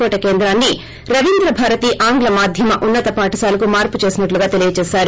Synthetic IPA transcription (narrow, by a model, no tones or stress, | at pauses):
kɔːʈɐke̞ːnd̪ɾaːnːi | ɾɐʋind̪ɾɐbʱaːɾɐt̪iːʔaːŋɡlɐmaːd̪ʱjɐmɐʔunːɐt̪ɐpaːʈɐsaːlɐkumaːɾput͡ʃe̞ːsinɐʈluɡaːt̪e̞lijɐt͡ʃɛːsaːɾu